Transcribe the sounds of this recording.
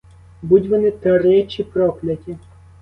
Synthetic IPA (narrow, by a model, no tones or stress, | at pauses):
budʲʋɔnɪt̪ɐɾɛt͡ʃʲipɾɔklʲɐtʲi